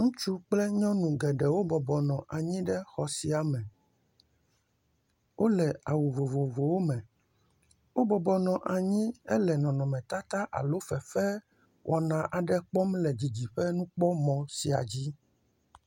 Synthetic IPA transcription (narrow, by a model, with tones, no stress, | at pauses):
ŋũ˦t͡ʃu˦k͡plɛ˦ɲɔ̃˦nũ˨ɡɛ˨ɖɛ˨wo˦bɔ˨bɔ˨nɔ̃˨ʔa˨ɲĩ˦ɖɛ˦xɔ˨si˨a˨mɛ̃˨ | wʔo˦lɛ˨a˨wu˨vo˨vo˨vo˨wo˦mɛ̃˨ | wo˦bɔ˨bɔ˨nɔ̃˨ʔa˨ɲĩ˦ɛ˦lɛ˨nɔ̃˨nɔ̃˨mɛ̃˨t̪a˦t̪a˦ʔa̰˨lo˦fɛ˨fɛ˦ | wʔɔ˨nã˨ʔa˨ɖɛ˦k͡pɔ˦m˦lɛ˨d͡ʑi˨d͡ʑi˨ɸɛ˦nũ˦k͡pɔ˦mɔ̃˨si˨a̰˨d͡ʑi˦